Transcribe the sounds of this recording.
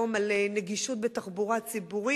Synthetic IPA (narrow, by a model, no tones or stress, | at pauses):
omaleneɡiʃut̪̚bet̪aχbuʁat͡sibuʁi